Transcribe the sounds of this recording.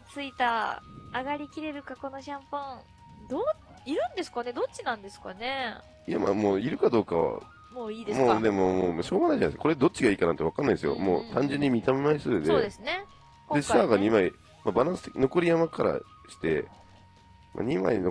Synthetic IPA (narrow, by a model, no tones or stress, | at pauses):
t͡sɨit̪aaɡaɾʲikʲiɾe̞ɾɯ̟kako̞no̞ɕãmpã | d̪oː | iɾɯ̟̃nd̪e̞sɨ̥kane̞d̪o̞t͡ɕinãnd̪e̞sɨ̥kane̞ | ja̰ma̰moːiɾɯ̟kad̪o̞ːka̰βa̰ | moːiːd̪emoːd̪e̞momoːmɕo̞ːɡanaiʑanaiskḁko̞ɾe̞d̪o̞t̚t͡ɕ͈ːiɡaiːkanãnt̪e̞akanːaid̪esɨjo̰mo̰ːt̪ãɲ̟d͡ʑeɲ̟ːimʲit̪amemaisɨːdseo̞d̪e̞sɨne̞ | dõ̥eɕiaɡaɲimai | mabanãsɨ̥no̞ko̞ɾʲijamakaɾa̰ | ɕi̥t̪e̞̰ | mʔa̰ɲima̰ino